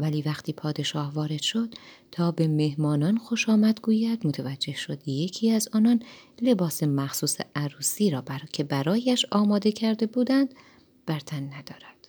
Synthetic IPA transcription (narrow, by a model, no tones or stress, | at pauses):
væliːvæxt̪ʰiːpʰɒːd̪e̞ʃɒːhvɒːɾe̞d̪̥ʃo̞d̪̥t̪ʰɒːbe̞me̞hmɒːnɒːnxo̞ʃɒːmæd̪ɡuːjæd̪mot̪ʰævæd͡ʒːe̞hʃod̪ije̞cʰiːæzɒːnɒːnle̞bɒːse̞mæxsuːsḛʔæɾuːsiːɾɒːbæcʰe̞bæɾɒːjæʃɒːmɒːd̪e̞cʰæɾd̪e̞buːd̪ænd̪ | b̥æɾt̪ʰænːæd̪̥ɒːɾæd̪̥